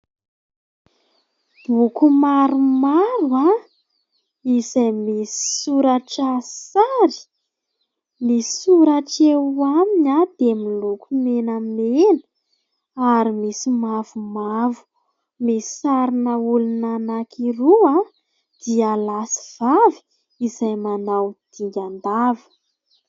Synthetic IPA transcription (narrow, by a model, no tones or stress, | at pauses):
b̥ukumaɾumaɾwa | izajmisi̥suɾaʈ͡ʂasaɾi̥ | misi̥suɾaʈ͡ʂewamiɲad̪̥emilukʰumenammenə | aɾimisimavumavu̥ | misisaɾinəulunanakʰiɾua | d̪̥ialasi̥v̥avi̥ | izajmanawd̪̥iŋɡʲand̪avə̥